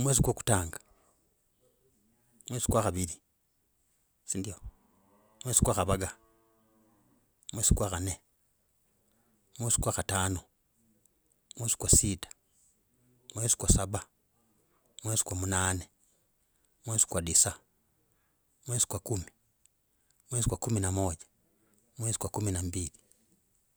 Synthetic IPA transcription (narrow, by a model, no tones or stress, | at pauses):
mweːs̬ikwaku̥taːŋɡḁ | mweːsi̥kwaxaβiɾi | siːndio | mweːsi̥kwaxaβaɡa | mweːsikwakane | mweːsi̥kwaxataːno | mweːsi̥kwasiːtḁ | mwesi̥kwasaba | mwesi̥kwamunaːne | mwesi̥kwadisa | mwezi̥kwakumi | mwesikwakuminamoɟḁ | mwezi̥kwakuminambili